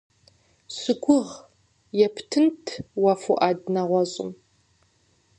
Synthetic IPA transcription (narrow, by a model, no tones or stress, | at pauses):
ɕɨɡʷʊʁ | jɛpʰtʰɨntʰwɑfuʔaːdnɐʁʷɔɕʼɪ̰m